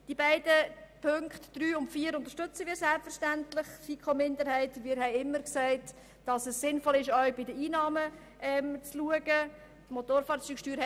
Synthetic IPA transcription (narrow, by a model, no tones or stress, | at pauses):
d̥ibæɪdəpʰɵŋktd̥ɾyːʊntfiːəɾʊnt̪əɾʃtɵt͡səʋɪːɾsɛlpfəɾʃtæntlɪχiːkʰomɪndəɾhɛɪtmɪːɾɦɛɪɪmːəɾksɛɪt | d̥ɑsəsːɪnfɔlɪʃœɥbɪdəiːnɑːmə | ʔɛmt͡sluəɡ̥ə | tmotoːɾfɑːɾt͡syːkʃtyːɾ